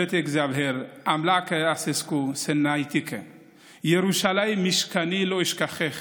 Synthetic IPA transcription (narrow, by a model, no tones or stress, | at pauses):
et̪ekzavheɾʔamlakeaseskusenajt̪ike | jeɾuʃalajmːiʃkaniloiʃkaχeχ